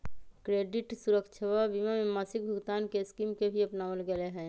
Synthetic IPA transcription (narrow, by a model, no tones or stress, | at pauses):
kɾeːɖɪʈsuɾəkt͡ʃʰəwabimamẽmasɪk̚bʱʊɡt̪aːnkeskimkebʱiəpnaʋəlɡəleɦɛ̃ː